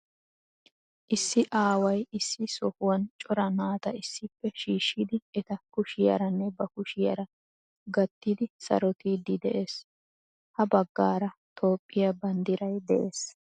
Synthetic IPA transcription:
ʔɪsːɪʔaːwɐjɪsːɪsɔhʊwɐnt͡ʃʼɔɾɐnaːt̪ɐɪsːɪpːɛʃiːʃːiːd̪ɪɛt̪ɐkʊʃɪjɐ̰ɾɐnːɛbɐkʊʃɪjɐ̰ɾɐ | ɡɐt̪ːid̪ɪsɐ̰ɾɔt̪iːd̪ɪd̪ɛʔe̞ːs | hɐbɐɡːaːɾɐt̪ʰo̞ːpʼːɪjɐbɐnd̪ɪɾɐjd̪ɛʔeːs

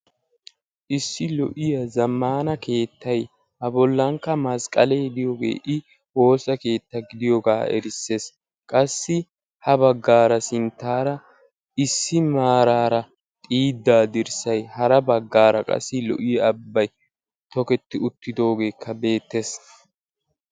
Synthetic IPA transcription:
ʔɪsːɪlɔʔɪjɐzɐmːaːnɐke̞ːt̪ːɐj | hɐbɔlːɐŋkːɐmɐskʼɐlejd̪ɪjoːɡe̞̰ːʔɪ | wo̞ːsɐke̞ːt̪ːɐɡɪd̪ɪjoɡaːɛ̰ɾɪsːe̞ːs | kʼɐsːɪ | hɐbɐɡːaːɾɐsɪnt̪ːaːɾɐ | ɪsːɪmaːɾaːɾɐ | t̪ʼiːd̪ːaːd̪ɪɾsɐjhɐɾɐbɐɡːaːɾɐkʼɐ̰sːɪlɔ̰ʔɪjɐɐbːɐj | t̪ɔkɛt̪ːɪʊt̪ːɪd̪o̞ːɡe̞ːkʰːɐbe̞ːt̪ːes

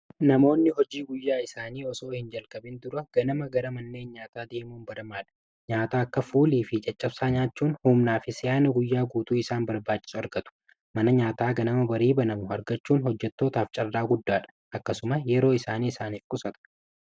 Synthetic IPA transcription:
nɐmo̞ːnːɪɦɔd͡ʒiːɡʊjːaːɪsaːniːɔso̞ːhɪnd͡ʒɐlkʼɐbɪnd̪ʊɾɐɡ̥ɐnɐmɐɡɐɾɐmɐnːe̞ːnɲaːt̪aːd̪e̞ːmuːnbɐɾɐmaːᶑɐ̥ | ɲaːt̪aːɐkːɐfuːliːfɪt͡ʃʼɐt͡ʃʼːɐb̥saːɲaːt͡ʃːuːnhuːmnaːfɪsɪjaːnɐɡʊjːaːɡuːt̪uːɪsaːnbɐɾbaːt͡ʃʼːɪ̥sʊɐɾɡɐt̪ʊ̥ | mɐnɐɲaːt̪aːɡɐnɐmɐbɐɾiːbɐnɐmʊhɐɾɡɐt͡ʃːuːnhɔd͡ʒːɛt̪ːo̞ːt̪aːft͡ʃʼɐrːaːɡʊd̪ːaːᶑɐ̥ | ʔɐkːɐsʊmɐjɛɾo̞ːɪsaːniːɪsaːniːfkʼʊsɐt̪ɐ̥

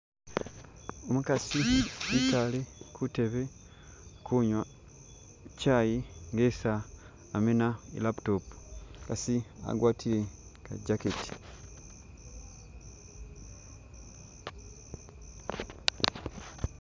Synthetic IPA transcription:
omukasiitalekʰute̞βe | kʰuɲwa | cajiŋɡesaː | menaḭlapu̥topu̥kasia̰ɡwʔaːtʰileka̰ɟaketi̥

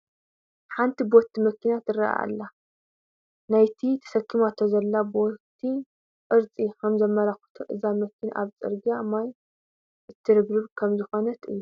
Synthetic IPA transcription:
ħant̪ʰibɔt̪ʰːimɐkːinat̪ɨra̰ʔa̰lːa | najt̪ʰit̪ʰɐ̥sɐkʰːimat̪ʰːozɐlːabɔt̪ʰːi | kʼɨɾt͡sʼikʰɐmzɐmɐɾaxu̥t̪ʰuʔɨzamɐkʰːina̰βt͡sʼɨ̰ɾɡiamaj | ʔɨt̪ʰːɨɾɨβɾɨβkʰɐmzɨxonɐt̪ɨ̰jːu

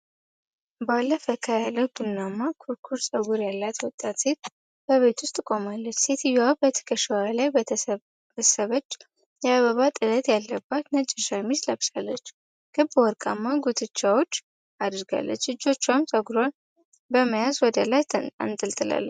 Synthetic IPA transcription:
balːəfəkʰajaləɡ̪unːamːakʰuɾkʰuɾsʼəɡuɾjalːat̪wɔt̪ʼːat̪se̞t̪̚ | b̥əβe̞t̪wʊst̪ʼkʼo̞malːət͡ʃːse̞t̪ʰɨjawbət̪ʰə̥kʰəʃɛwalajbə | bəsəβət͡ʃː | jɛaβəβat̪ʼɨlət̪ʼjalːəbːat̪nət͡ʃʼːɛʃajɛmːislaβʃalːət͡ʃː | ɡ̥ɨbwɔɾkʼamːaɡut̪ʰɨt͡ʃːawo̞t͡ʃː | ad̪ɨɾɡa̰lːə̰t͡ʃːɨd͡ʒːo̞t͡ʃːamsʼəɡuɾan | bəməjazwɔd̪əlajt̪ʰa̰nt̪ʼɨlt̪ʼɨla̰lːə

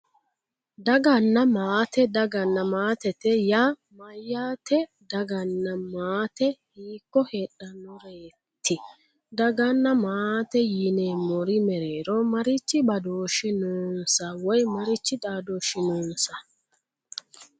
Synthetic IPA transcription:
d̪ɐɡɐnːɐmaːt̪ɛd̪ɐɡɐnːɐmaːt̪ɛt̪ɛjaːmɐjːaːt̪ɛ | d̪ɐɡɐnːɐmaːt̪ɛhiːkːɔheːᶑɐnɔɾeː | t̪ːɪ | d̪ɐɡɐnːɐmaːt̪ɛjineːmɔɾɪmɛɾe̞ːɾɔmɐɾɪt͡ʃːɪbɐd̪o̞ːʃɪnoːnsɐwɔjmɐɾɪt͡ʃːɪd̪ʼaːd̪oːʃɪnoːnsɐ

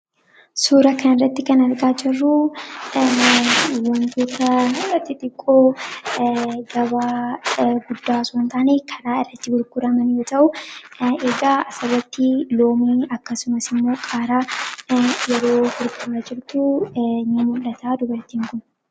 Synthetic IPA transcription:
suːɾɐkɐnɪrːɐt̪ːɪkɐnɐɾɡaːd͡ʒɪrːu | wɐnd̪uːt̪ʰɐɐt̪ːɪt̪ʼɪkʼːoː | ɡɐβaːɡʊd̪ːaːsunt̪aːnekʰɐɾaːɪrːɐt̪ːɪɡʊɾɡʊɾɐmɐnjoːt̪ɐʔʊ | eɡaːɐsɐrːɐt̪ːɪlo̞ːmiːɐkːɐsʊmɐsɪmːo̞ːkʼaːɾaː | jɛɾo̞ːɡʊɾɡʊɾɐd͡ʒɪɾt̪ʊnimʊlːɐt̪ʰaːd̪ʊbɐɾt̪iːŋkʊn

